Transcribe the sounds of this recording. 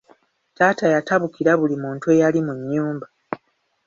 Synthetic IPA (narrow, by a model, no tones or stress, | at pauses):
taːtajataβukiɾaβulimuːntue̞jalimuɲːuːmba